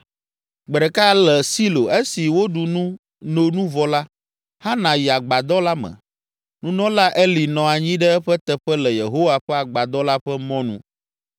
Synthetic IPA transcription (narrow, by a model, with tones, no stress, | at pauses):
ɡ͡bɛ˨ɖɛ˨ka˦lɛ˨si˦lo˨e˦si˨wo˦ɖu˨nũ˦ | no˨nũ˦vɔ˦la˦ | ha˦nã˨ji˨a˨ɡ͡ba˨d̪ɔ˦la˦mɛ̰̃˨ | nũ˦nɔ̃˦la˦ʔe˦li˨nɔ̃˨a˨ɲĩ˦ɖɛ˦ɛ˦ɸɛ˦t̪ɛ˨ɸɛ˦lɛ˨je˨ɦo˦wa˨ɸɛ˦a˨ɡ͡ba˨d̪ɔ˦la˦ɸɛ˦mɔ̃˦nṵ̃˦